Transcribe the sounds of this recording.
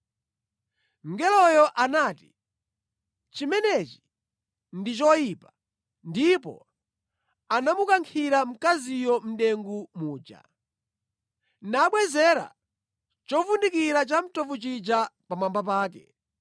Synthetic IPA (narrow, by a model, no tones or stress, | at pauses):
ŋ̩ɡɛlɔjɔʔanaːti̥ | t͡ʃimɛnɛt͡ʃi̥ | ndit͡ʃɔjiːpa | ndipɔ̰ | anamukaŋkʰiɾam̩kazijɔm̩ɗɛŋɡumuːd͡ʒa̰ | naɓwɛzɛɾa̰ | t͡ʃɔvundikiɾat͡ʃam̩tɔvut͡ʃid͡ʒapamambap̬aːk̬ɛ